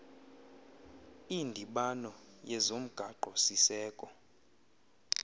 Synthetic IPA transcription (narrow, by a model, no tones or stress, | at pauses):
indʱiɓanɔ | jɛzom̩ɡ̥ʱaǃʱɔsisɛːkʼɔ